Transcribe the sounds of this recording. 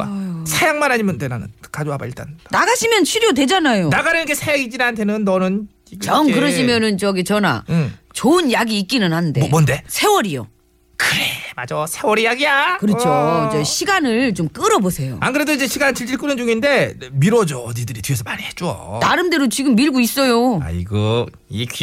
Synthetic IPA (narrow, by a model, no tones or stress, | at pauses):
a̰sʰejaŋmanɦaɲimjʌndeɾanɯ̰nkad͡ʑoɦaba̰iɭt͈a̰nnaɡaɕʰimjʌnt͡ɕʰiɾjodwe̞d͡ʑanajonaɡaɾɯnɡʰesʰejaɡid͡ʑinaantʰe̞nɯnːʌnɯn | t͡ɕʌŋkɯɾʌɕ̬ʰimjʌnɯnt͡ɕʌɡit͡ɕʌna̰ | t͡ɕoɯnjaɡiːk͈inɯnhanɯnde̞monde̞sʰe̞wʌɾijo̰ | kɯɾemad͡ʑosʰewʌɾijaɡijakɯɾʌt͡ɕʰod͡ʑeɕʰiɡanɯɭt͡ɕomk͈ɯɾʌbosʰe̞jo̰anɡɯɾe̞doid͡ʑeɕʰiɡanɯt͡ɕiɭd͡ʑiɭk͈ɯnɯnd͡ʑuŋinde̞ | miɾwʌd͡ʑʌːdidɯɾitiesʰʌmaɾihet͡ɕ͈ua̰naɾɯmde̞ɾot͡ɕiɡɯmːiɭɡois͈ʌjoa̰ḭɡʌ | i